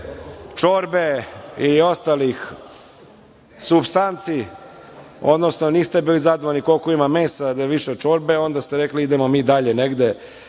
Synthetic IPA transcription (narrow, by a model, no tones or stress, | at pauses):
t͡ʃoɾbeio̞st̪alix | subst̪ant̪si | o̞̰d̪nosnoniːst̪e̞biːlizad̪ooniko̞lkoimameːsad̪ajeʋiʃet͡ʂo̞ɾbeo̞nd̪ast̪eɾekliid̪emomiːd̪aʎeneɡd̪e